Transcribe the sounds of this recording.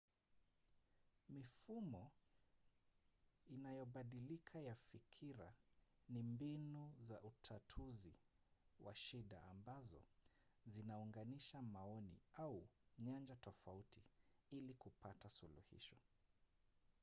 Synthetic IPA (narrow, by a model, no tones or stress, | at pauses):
mifumɔ | inajɔɓaɗilikʰajafikʰiɾa̰nimbinuzaʔutʰatʰuzi | wa̰ʃiɗa̰ːmbazɔ̰zinauŋɡaniʃamaɔnḭauɲand͡ʒatɔfautiilikupatasulṵhḭʃɔ̥